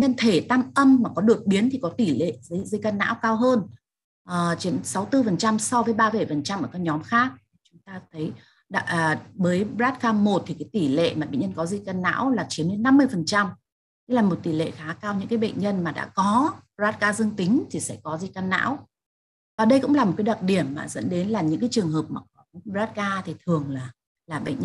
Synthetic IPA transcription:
ɲə˧nt̪ʰe˧˩t̪a˧mʔə˧mmaː˨˩kɔ˨˦ɗɨ˨˩ək̚ɓi˨˦ənt̪ʰi˨˩kɔ˨˦t̪i˧˩lḛ˧˨zə˧zi˧kaː˧nːa̰ː˧˥wkaː˧wɦəː˧n | ʔəː˨˩t͡ɕi˨˦ənsa˨˦wt̪ɨ˧fə˨˩nt͡ɕa˧msɔ˧vəː˨˦jɓaː˧və˧˩jfə˨˩nt͡ɕa˧mʔəː˧˩kːaː˨˦ɲɔ˨˦mxaː˦˥k̚t̪ʰi˨˩t͡ɕʊ˨˦ŋ͡mt̪aː˧t̪ʰə˨˦j | ɗa̰ː˧˨ʔːɓəː˨˦jzaː˦˥t̚kaː˧mo˨˩t̚t̪ʰi˨˩kaː˨˦jt̪i˧˩lḛ˧˨maː˨˩ɓḛ˨ŋɲə˧nkɔ˨˦zi˧kaː˧nːa̰ː˧˥wlaː˨˩t͡ɕi˨˦ənle˧nːa˧mːɨ˧əjfə˨˩nt͡ɕa˧m | te˦laː˨˩mo˨˩t̚t̪i˧˩lḛ˧˨xaː˨˦kaː˧wɲɨ̰˧˥ŋkaː˨˦jɓə̰˧˨jŋ̟ɲə˧nmaː˨˩ɗa̰ː˧˥kɔ˨˦ɓzaː˦˥t̚kaː˧zɨ˧əŋt̪ï˨˦ŋ̟t̪ʰi˨˩sɛ̰˧˥kɔ˨˦zi˧kaː˧nːa̰ː˧˥w | vaː˨˩ɗə˧jkʊ̰˧˥ŋ͡mla˨˩m˨˩t̚kːja˨˩t̚ɗi˧˩əmːaː˨˩zə̰˧˥nɗe˨˦nlaː˨˩ɲɨ̰˧˥ŋkaː˨˦jt͡ɕɨ˨˩əŋɦəː˨˩p̚maː˨˩kɔ˨˦˨ɓzaː˦˥t̚kaː˧t̪ʰi˨˩t̪ʰɨ˨˩əŋlaː˨˩ | laː˨˩ɓə̰˧˨ŋ̟ɲ˧

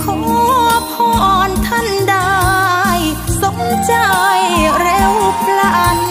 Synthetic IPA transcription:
kʰɔ˨˩˦pʰɔː˧˩ʔɔː˨˩nt̪ʰa˥˩ndaː˧j | so˨˦ŋt͡ɕa˧jɾe˧˥wpʰla˧˩ʔt̚

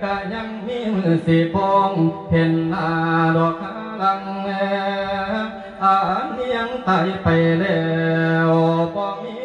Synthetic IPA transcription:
ka˧˩ɲa˧˥ŋmiː˧˥mɯː˧˩si˨˩˦pɔː˧ŋpʰe˧nla˧˩dɔ˧kʰa˧˥ | la˧ŋnɛ˧˦ | ʔa˧˩ʔhi˧əŋt̪a˧˩jpa˨jɾɛ˧˩wbɔː˧mi˧˨

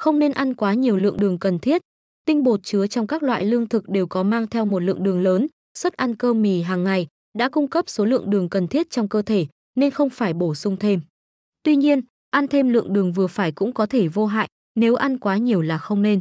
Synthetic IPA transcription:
xə˧wŋ͡mne˧nʔa˧nkwaː˨˦ɲi˨˩əwlɨ̰˧˨əŋɗɨ˨˩əŋkə˨˩nt̪ʰi˦˥ət̚ | t̪ï˧ŋ̟ɓo˨˩t̚t͡ɕɨ˨˦ət͡ɕɔ˧wŋ͡mkaː˦˥k̚lwa̰ː˧˨jlɨ˧əŋt̪ʰɨ˨˩k̚ɗe˨˩wkɔ˨˦maː˧ŋt̪ʰɛ˧wmo˨˩t̚lɨ̰˧˨əŋɗɨ˨˩əŋləː˨˦n | swə˦˥t̚ʔa˧nkəː˧mi˨˩ɦaː˨˩ŋːa˨˩j | ɗa̰ː˧˥kʊ˧ŋ͡mkə˦˥p̚so˨˦lɨ̰˧əŋɗɨ˨˩əŋkə˨˩nt̪ʰi˦˥ət̚t͡ɕɔ˧wŋ͡mkəː˧t̪ʰe˧˩ | ne˧nxə˧wŋ͡mfaː˧˩jɓo˧˩sʊ˧ŋ͡mt̪ʰe˧m | t̪wi˧ɲi˧ən | ʔa˧nt̪ʰe˧mlɨ̰˧˨əŋɗɨ˨˩əŋvɨ˨˩əfaː˧˩jkʊ̰˧˥ŋ͡mkɔ˨˦t̪ʰe˧˩vo˧ɦa̰ː˧˨jʔ | ne˨˦wʔa˧nkwaː˨˦ɲi˨˩əwlaː˨˩xə˧wŋ͡mne˧n

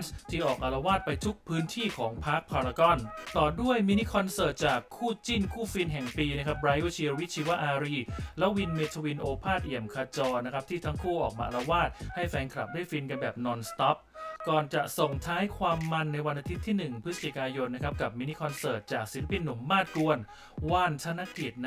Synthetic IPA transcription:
nst̪ʰiː˥˩ʔɔː˨˩k̚ʔa˧la˧waː˥˩t̪̚pa˧jt̪ʰu˦˥k̚pʰɯː˦˥nt̪ʰiː˥˩kʰɔː˩˦ŋpʰa˦˥k̚pʰaː˧ɾa˧kɔ˥˩nt̪ɔː˨˩du˥˩əjmiː˧ni˦˥kʰɔ˧nsɤː˨˩t̪̚t͡ɕaː˨˩kʰːuː˥˩t͡ɕi˥˩nkʰuː˥˩fi˧nɦɛ˨˩ŋpiː˧na˦˥kʰa˦˥p̚ɾaː˧jo˥˩t͡ɕʰi˧wi˥t͡ɕʰiː˧wa˦˥ʔaː˧ɾiː˧˩lɛ˦˥wi˧nmeː˧t̪ʰo˧wi˧nʔoː˧pʰaː˥˩t̪̚ʔi˨˩əmkʰaː˧t͡ɕɔː˧na˦˥kʰɾa˦˥p̚t̪ʰiː˥˩t̪ʰa˦˥ŋkʰuː˥˩ʔɔː˨˩k̚ma̰ː˧a˧ɾa˧waː˥˩t̪̚ha˥˩jfɛː˧nkʰɾa˨˩p̚duː˥˩əjfi˧nka˧nbɛː˨˩p̚nɔː˧nst̪ɔ˦˥p̚kɔː˨˩nt͡ɕa˨˩ʔso˨˩ŋt̪ʰaː˦˥jkʰwaː˧mːa˧nːa˧jwa˧nʔa˧t̪ʰi˦˥t̪ʰːiː˥˩nɯ˨˩ŋpʰɯ˦˥sa˧˨t͡ɕi˨˩kaː˧jo˧nːa˦˥kʰa˦˥p̚ka˨˩p̚miː˧ni˦˥kʰɔ˧nsɤː˨˩t̪̚t͡ɕaː˨˩k̚si˨˦la˦˥pi˧nːu˩˦mːaː˥˩t̪̚ku˧ən | waː˧˥˩nt̪ʰa˧na˦˥ki˨˩t̪̚n˦

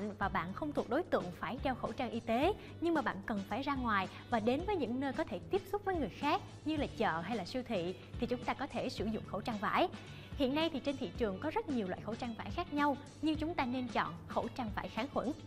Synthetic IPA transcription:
ŋvaː˨˩ɓa̰ː˧˨nxə˧wŋ͡mt̪ʰu˨˩ək̚ɗo˨˦jt̪ɨ̰˧˨əŋfaː˧˩jɗɛ˧wxo̰˧˩t͡ɕa˧ŋʔi˧t̪e˨˦ | ɲɨ˧ŋmaː˨˩ɓa̰ː˧˨nkə˨˩nfaː˧˩jzaː˧ŋwaː˨˩j | vaː˨˩ɗe˨˦nvəː˨˦jɲɨ̰˧˥ŋnəː˧jkɔ˨˦t̪ʰe˧˩t̪i˦˥əp̚sʊ˦˥k͡p̚vəː˨˦jŋɨ˨˩əjxaː˦˥k̚ | ɲɨ˧laː˨˩t͡ɕə̰ː˧˨˩ɦa˧jlaː˨˩swi˧wt̪ʰḭ˧˨ | t̪ʰi˨˩t͡ɕʊ˨˦ŋ͡mt̪aː˧kɔ˨˦t̪ʰe˧˩sɨ˧˩zʊ̰˧˨ŋ͡mxo̰˧˩wt͡ɕaː˧ŋva̰ː˧˥j | hḭ˧˨ənːa˧jt̪ʰi˨˩t͡ɕe˧nt̪ʰḭ˧˨t͡ɕɨ˨˩əŋkɔ˨˦zə˦˥t̚ɲi˨˩əwa̰ː˧˨jxo̰˧˩t͡ɕaː˧ŋva̰ː˧˩jxaː˦˥k̚ɲa˧w | ɲɨ˧ŋt͡ɕʊ˨˦ŋ͡mt̪aː˧ne˧nt͡ɕɔ̰˧˨nxo̰˧˩t͡ɕaː˧ŋvaː˧˩jxaː˨˦ŋxwə̰˧˥n

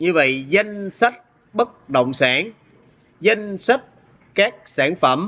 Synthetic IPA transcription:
ɲɨ˧və̰˧˨jzə˧jŋsa˦˥t̚ | ɓə˦˥k̚ɗə̰˧˨wŋ͡msaː˧˩˦n | zə˧jŋsa˦˥t̚ | kaː˦˥k̚saː˧˩nfə˧˩m

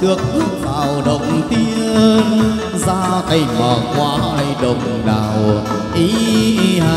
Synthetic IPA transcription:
t̪ɨ˨˩ək̚ʔɨ˨˦˥t̚zaː˨˩wɗə̰˨wŋ͡mt̪i˧əə˧n | zaː˧t̪ʰa˧˩jɲɔ˨˩kwaː˨˧˦ha˧jɗə˨˩wŋ͡mɗaː˨˩w | ʔi˨˦˧ | a˧

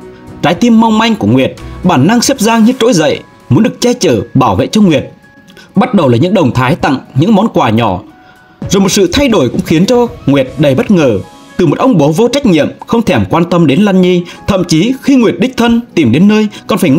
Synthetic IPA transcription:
t͡ɕaː˨˦jt̪i˧mːa˧wŋ͡mma˧jŋ̟ku˧˩əŋwi˨˩ət̚ɓaː˧˩nːa˧ŋsɛ˦˥p̚zaː˧ŋɲɨ˧t͡ɕo̰˧˥jzə̰˧˨j | mu˨˦nɗɨ˨˩ək̚t͡ɕɛ˧t͡ɕəː˧˩ɓaː˧˩wvḛ˧˨t͡ɕɔ˧ŋwi˨˩ət̚ | ɓa˦˥t̚ɗə˨˩wlaː˨˩ɲɨ̰˧˥ŋɗə˨˩wŋ͡mt̪ʰaː˨˦jt̪a̰˧˨ŋɲɨ̰˧˥ŋmɔ˨˦nkwaː˨˩ɲɔ˧˩ | zo˨˩jmo˨˩t̚sɨ̰˧˨t̪ʰa˧jɗo˧˩jkʊ̰˧˥ŋ͡mxi˨˦ənt͡ɕɔ˧ŋwi˨˩ət̚ɗə˨˩jɓə˦˥t̚ŋəː˧˩ | t̪ɨ˨˩mo˨˩t̚ʔə˧wŋ͡mɓo˨˦vo˧t͡ɕa˦˥jk̚ɲḭ˧˨əmxə˧wŋ͡mt̪ʰɛ˧˩mkwaː˧nt̪ə˧mɗe˨˦nlaː˧nɲi˧t̪ʰə̰˧˨mt͡ɕi˨˦xi˧ŋwi˨˩ət̚ɗï̟˦˥t̪ʰə˧nt̪i˨˩mɗe˨˦nːəː˧jkɔ˨˩nfaː˧˩j

